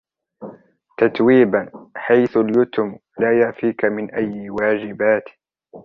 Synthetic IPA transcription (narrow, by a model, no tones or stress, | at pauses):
t̪at̪wiːbanħajθʊljʊt̪ʊmlaːjaʕfiːkamɪnʔajːɪwaːd͡ʒɪbaːt̪